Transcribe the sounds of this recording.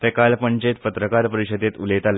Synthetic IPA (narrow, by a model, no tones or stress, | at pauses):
t̪ekalpəɲt͡ɕet̪pət̪ɾəkaɾpəɾiɕəd̪et̪ulet̪al